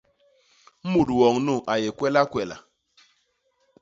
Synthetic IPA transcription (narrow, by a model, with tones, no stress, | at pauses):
mu˨dwɔ˨ŋnu˦˨ʔa˨je˨kwɛ˦la˦kwɛ˨la̰˨